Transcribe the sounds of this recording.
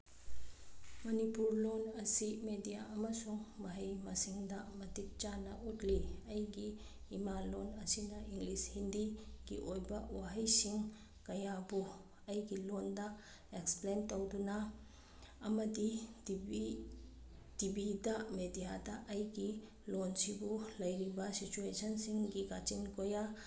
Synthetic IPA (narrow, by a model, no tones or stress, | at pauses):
mɐnipuɾlonɐsimedijaɐmɐsuŋmɐɦɐjmɐsiŋdɐmɐtit̚t͡ʃanɐʔutliɐjɡiː | malonɐsinɐʔiŋɡlishindiɡḭʔojbɐwaɦɐjsiŋ | kɐjabu | ɐjɡilondɐ | eksplentɔwdunaː | mɐdi | dibidɐmedijadɐʔɐjɡi | lonsibulɐjɾibɐsit͡ʃuesɔnsiŋɡiɡat͡ʃinkoja